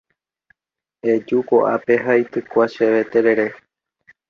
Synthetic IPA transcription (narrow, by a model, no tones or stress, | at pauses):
ed͡ʒukoʔape̞ɦait̪ɨkʷaʃeʋe̞t̪e̞ɾe̞ɾe